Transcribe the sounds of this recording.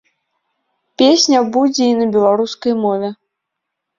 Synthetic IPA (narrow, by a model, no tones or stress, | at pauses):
pʲesʲnʲɐbud͡zʲɛinɐbʲɛlˠaɾuskɐjmɔvʲɛ